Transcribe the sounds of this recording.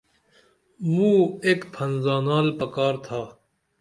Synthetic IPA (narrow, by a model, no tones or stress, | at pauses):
mũːeːkpʰɐnzaːnaːlpɐkaːɾt̪ʰaː